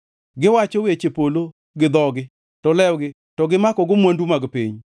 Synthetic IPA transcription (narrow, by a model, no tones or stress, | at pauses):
ɡɪwat͡ʃɔwet͡ʃepolo | ɡɪd̪ɔɡɪ | tɔlɛwɡɪ | tɔɡɪmakɔɡʊmwandumaɡpiɲ